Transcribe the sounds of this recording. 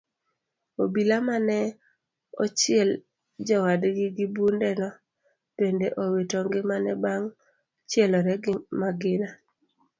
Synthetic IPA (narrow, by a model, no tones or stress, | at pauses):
obilamanɛ | ɔ̰t͡ʃɪɛl | d͡ʒɔwadɡɪɡɪbundɛnɔ | tendeʔowetɔŋɡɪmanɛbaŋ | t͡ʃɪɛlɔɾɛɡɪmaɡɪna